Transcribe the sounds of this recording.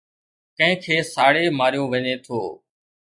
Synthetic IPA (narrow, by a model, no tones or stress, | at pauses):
kə̃ɦɪ̃kʰeːsaːɽeːmaːɾijõːʋəɲeːt̪ʰoː